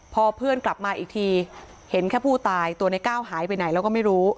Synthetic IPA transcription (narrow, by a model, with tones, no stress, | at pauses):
pʰɔː˧pʰɯ˥˩ənkla˨˩p̚maː˧ʔiː˨˩k̚t̪ʰiː˧ | he˩˦nkʰɛː˥˩pʰuː˥˩t̪aː˧jt̪u˧əna˧˩jkaː˥˩wɦaː˩˦jpa˧jna˩˦lɛ˦˥wkɔ˥˩ma˥˩jɾuː˦˥